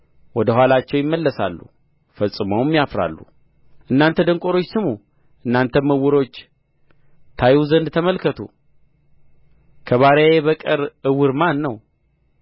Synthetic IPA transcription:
wɔd̪əɦwalat͡ʃːɛwjɪmːəlːəsa̰lːṵ | fəsʼːɨməwmːijafɾa̰lːṵ | ʔɨnːant̪ʰəd̪əŋkʼo̞ɾo̞t͡ʃːsɨmu | ʔɨnːant̪ʰəməwːɨɾo̞t͡ʃː | t̪ʰajuzənd̪t̪ʰəməlkʰət̪ʰṵ | kʰəβaɾjjeβəkʼɨɾɨwɨɾmanːəw

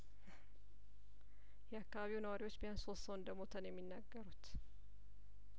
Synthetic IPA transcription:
jɛakːɐβaβiwnɐwaɾɪwot͡ʃːbɪjansoːsːɐwʊnd̪ɐmːot̪ʰɐnjɛmːɪnːɐɡːɐɾʊt̪

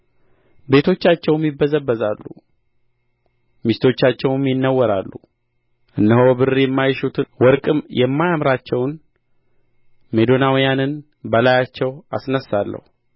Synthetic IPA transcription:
be̞t̪ʰo̞t͡ʃːat͡ʃːɛwmjɪbːəzəbːəzalːṵ | mist̪ʰo̞t͡ʃːat͡ʃːɛwmjɪnːəwːəɾalːu | ʔɨnːəhobɨrijɛmːajʃut̪ʰɨwɔɾkʼɨmjɛmːajamɾat͡ʃːɛwn | me̞d̪o̞nawijanɨn | bəlajat͡ʃːɛwa̰snəsːalːə̰hu

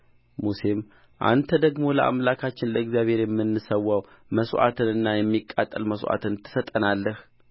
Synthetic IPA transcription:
muse̞m | ʔa̰nt̪ʰəd̪əɡmo̞ləʔa̰mlakʰat͡ʃːɪnləɨɡzjaβhe̞ɾjɛmːɨnːɨsəwːaw | məsʔa̰t̪ʰɨnɨnːajɛmːikʼːat̪ʼːəlməsʔa̰t̪ɨnt̪ʰɨ̥sət̪ʼːənalːəh

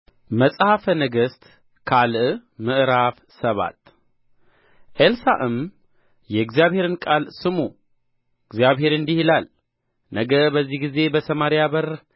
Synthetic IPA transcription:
məsʼhafənəɡəst̪ | kʰalʔmɨʔɾaf | səβa̰t̪ | ʔelsaʔɨm | jɛɡzijaβhe̞ɾɨnkʼalsɨmu | ɨɡzijaβhe̞ɾɨnd̪ihilal | nəɡəbəzːihɡize̞bəsʰəmaɾijaβəɾ

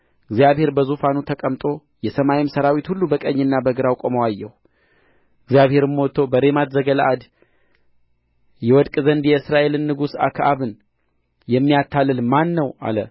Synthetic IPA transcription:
ɨɡzijaβhe̞ɾbəzufanut̪ʰəkʼəmt̪ʼo̞ | jɛsəmajimsəɾawit̪hulːubəkʼəɲːɨnːabəɡɨɾawkʼoməwajːɛhu | ɨɡzijaβhe̞ɾɨmːo̞t̪ʰːo̞bəɾemat̪zəɡəla̰ʔad̪ | jɛwɔd̪kʼzənd̪jɛɨsɾaʔe̞lɨnːɨɡusa̰kʰaβɨn | jɛmːijat̪ʰːalːɨlmanːəwa̰lə

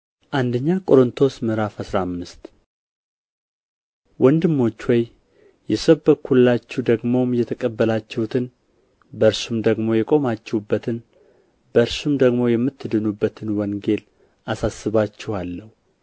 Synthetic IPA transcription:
ʔand̪əɲːakʼo̞ɾɨnt̪ʰo̞smɨɾafəsɾamːɨst̪ | wɔnd̪ɨmːo̞t͡ʃːwɔj | jɛsəbəkʰːulːat͡ʃːud̪əɡmo̞mjɛt̪ʰəkʼəbːəlat͡ʃːɛhut̪ʰɨn | bəɨɾsumd̪əɡmo̞jɛkʼo̞mat͡ʃːɛwubːət̪ʰɨn | bəɨɾsumd̪əɡmo̞jɛmːɨt̪ːɨd̪ɨnubːət̪ʰɨnwɔŋɡe̞l | ʔasasːɨβat͡ʃːɛhalːəhu

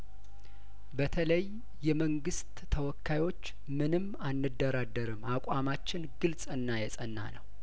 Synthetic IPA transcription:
bət̪ʰələj | jːɛməŋɡɨst̪ːʰəwɔkʰːajwo̞t͡ʃː | mɨnɨmː | anːɨd̪ːəɾad̪əɾɨmakʷʼamat͡ʃːɪnɡɨlsʼɨnːajɛsʼənːa̰nəw

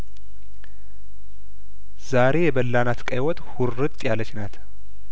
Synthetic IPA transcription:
z̥aɾe̞jɛbəlːanat̪kʼajwɔt̪ʼhʊrːɨt̪ʼːjalət͡ʃːnat̪

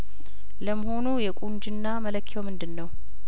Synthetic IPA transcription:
ləməɦo̞nujɛkʷʼund͡ʒɨnːamələkʰːiomɨnd̪ɨnːəw

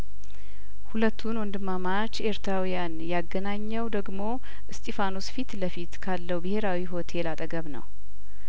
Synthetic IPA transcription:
hulət̪ʰːunwɔnd̪ɨmːamat͡ʃːeɾt̪ʰɾawijanjaɡənaɲːəwd̪əɡmo̞ | ʔɨst̪ʼefanosfit̪ləfit̪kʰalːəwubɨhe̞ɾawiɦo̞t̪ʰe̞lat̪ʼəɡəβnə̰w

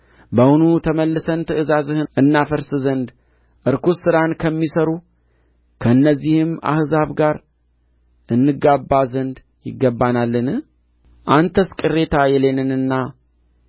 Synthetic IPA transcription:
bəwunut̪ʰəməlːɨsənt̪ʰɨʔɨzazɨhɨʔɨnːafəɾsɨzənd̪ | ʔɨɾkusɨɾankʰəmːisəɾu | kʰəɨnːəzːihɨma̰hzaβɡaɾ | ʔɨnːɨɡabːazənd̪ | jɪ̰ɡːəbːanalːɨnɨ | ʔant̪ʰəskʼɨrːe̞t̪ʰajɛlenɨnɨnːa

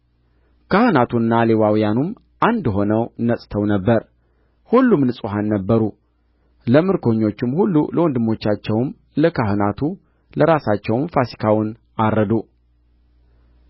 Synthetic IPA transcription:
kʰahɨnat̪ʰunːalewawijanum | ʔand̪ɦo̞nəwnəsʼt̪ʰəwnəbːəɾ | hulːumnɨsʼuɦanːəbːəɾu | ləmɨɾkʰo̞ɲːo̞t͡ʃːɪmhulːuləwɔnd̪ɨmːo̞t͡ʃːat͡ʃːɛwm | ləkʰahɨnat̪ʰu | ləɾasat͡ʃːɛwnfasi̥kʰawʊn | aɾːəd̪u

